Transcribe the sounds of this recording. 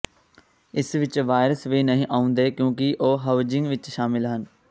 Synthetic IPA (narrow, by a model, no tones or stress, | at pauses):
ɪsʋɪt͡ʃʋaːɪɾəsʋinəɦĩːʔaːʊ̃nd̪eːkjõːkiʔoːɦaʊd͡ʒɪ̃ŋɡʋɪt͡ʃʃaːmɪlɦən